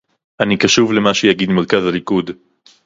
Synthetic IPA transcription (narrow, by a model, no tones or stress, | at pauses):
ʔanikaʃuvle̞maʃejaɡid̪malkazalikud̪